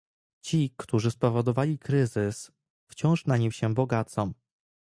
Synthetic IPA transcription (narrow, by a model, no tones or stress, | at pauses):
t͡ɕikt̪uʐɘspɔvɔd̪ɔvalʲikɾɘzɘs | ft͡ɕɔ̃w̃ʂnaɲimɕɛbɔɡat̪sɔm